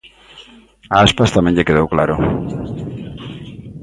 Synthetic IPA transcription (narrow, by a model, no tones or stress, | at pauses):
aaspast̪amẽɲʎekeðowklaɾʊ